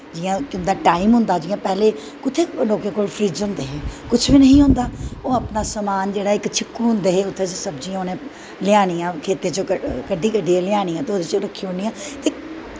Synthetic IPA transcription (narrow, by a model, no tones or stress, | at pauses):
d͡ʒɪjãːkʊ̃nd̪aːʈaːimɦʊ̃nd̪aːd͡ʒɪːãːpɛɦleː | kʊt̪ʰeːloːkãːkoːlpʰɾiːzə̃nd̪eːɦeːkʊt͡ʃʰʋiːnəɦĩɦʊ̃nd̪aːoːəpnaːsəmaːnd͡ʒeːɽaːɪkt͡ʃʰɪkːuːɦʊ̃nd̪eːɦeːʊt̪ʰːet͡ʃsəbd͡ʒiːãoːnẽː | lɪaːɽ̃iːãːkʰeːt̪eːt͡ʃoːkəkəɖiːkəɖiːãːlɪjaːɽ̃iːãːt̪eoːd̪eːt͡ʃoɾəkʰːiʊɳiːãːt̪eː